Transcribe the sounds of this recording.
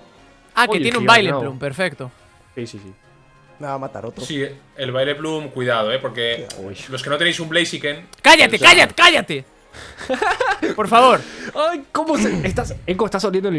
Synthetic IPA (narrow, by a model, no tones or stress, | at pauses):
aket̪jeneũbajleplumpeɾfekt̪o | sisisi | naamat̪a̰ɾot̪ɾosi | elβajleplumkujðaðoepo̞ɾkelo̞skenot̪enejsumblejsiken | kaʝat̪ekaʝat̪ekaʝat̪e | po̞ɾfaβo̞ɾajkomoseest̪asekomest̪asoljend̪oel